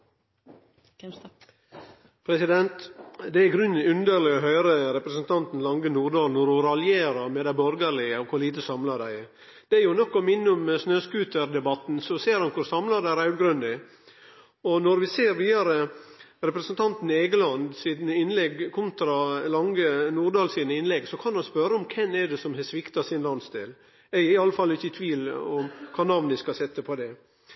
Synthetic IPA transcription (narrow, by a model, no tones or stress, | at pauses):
pʰɾɛsɪd̪ɛnt̪d̪ɛæɾɡɾʉnːʉnd̪əɾlɪɔɦœʏɾəɾɛpɾəsənt̪ʰɑnt̪n̩lɑŋɡənuːɾd̪ɑːlnɔɾʊɾɑljeːɾɑɾmɛd̪æɪbɔɾɡəɾlɪəɔkʰʊɾliːt̪əsɑmlɑɖ̪æɪ | d̪̥ɛæɾjʊnɔkːɔmɪnːəʊmsnøːskʉːt̪əɾd̪ɛbɑt̪nsɔseːɾhɑnkʰʊɾsɑmlɑd̪æɪɾæɡɾʉnd̪ɪ | ɔnɔɾʋɪseːɾʋiːd̪ɑɾə | ɾɛpɾəsənt̪ʰɑnt̪n̩eːɡəlɑnd̪sid̪nəɪnlɛɡkʰʊnt̪ɾɑlɑŋɡənuːɾd̪ɑːlsiːnəɪnlɛɡsɔkʰɑnhɑnspœɾəɔmkʰɛnːɛɖ̪ɛsɔmhɛsʋɪkt̪ɑsɪnlɑnst̪eːl | ɛɪɑlːəfɑlːɪçːəɪt̪ʰʋiːlɔmkʰɑːnɑʋnd̪ɪskɑsɛt̪ːəpʰɔd̪ɛ